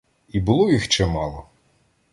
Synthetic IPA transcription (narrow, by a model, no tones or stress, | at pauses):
ibʊlˠɔjixt͡ʃɛmɑlˠɔ